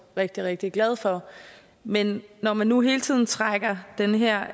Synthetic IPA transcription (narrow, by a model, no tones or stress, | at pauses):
ʁeɡ̥̚d̥iʁeɡ̥̚d̥iɡ̥lɛð̞ˠfɒ̽ | menːɒmænːuɦe̝ːlət͡sʰið̰ˠn̩t͡sʰʁaɡ̥ɐd̥enəɦeɐ̰